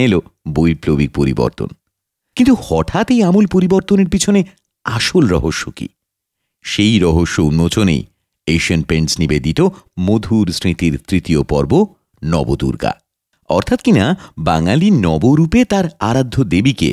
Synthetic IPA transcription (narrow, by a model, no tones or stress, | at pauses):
elobojplobik̚poɾḭbɔ̰ɾt̪o̰n | kint̪uhɔʈʰat̪ejamulpoɾiboɾt̪oneɾpit͡ɕʰone | aʃolɾɔɦoʃːokḭ | ʃejɾɔɦoʃːounːot͡ɕonḛj | eʃionpeɳsnibed̪it̪omod̪ʱuɾsɾit̪iɾt̪ɾit̪iopɔ̰ɾbo | nɔ̰bod̪ṵɾɡa̰ | ɔ̰ɾt̪ʰat̪kinabaŋalinɔboɾupet̪aɾaɾad̪ʱːod̪ebikḛ